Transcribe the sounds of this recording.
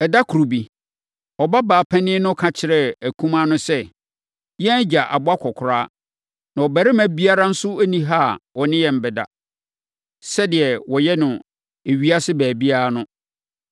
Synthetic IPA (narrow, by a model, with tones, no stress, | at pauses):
ɛ˨da˦kʰu˨ɾo˨bi˨ | ɔ˨ba˦baː˨pʰɛ̃˦nɪ̃˦nʊ̃˦kʰã˨t͡ɕʰɪ˨˦ɾɛ˦˨æ˨kʰũ˦mã˦nʊ̃˦sɛ˦ | jɛ̃˦d͡ʑa˨ʔa̰˨bʊ˦a˦kʰɔ˨kʰʊ˨ɾaː˦ | nã˨ɔ˨bæ˨ɾɪ˦mæ̃˦bi˦a˦ɾa˦n̩˦sʊ˦æ˦nĩ˦ɦa˦˨wɔ˨nɪ̃˦jɛ̃˨m̩˨bɛ˨da̰˨ | sɛ˦dɪ˨ɛ˨wɔ˨jɛ˦nʊ̃˨ | e˨ɥi˦a˦sɪ˦bæː˨bi˦a˦a˦nʊ̃˦